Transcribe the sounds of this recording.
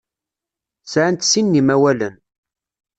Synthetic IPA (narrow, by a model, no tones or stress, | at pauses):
sʕənt̪sinːimæwælən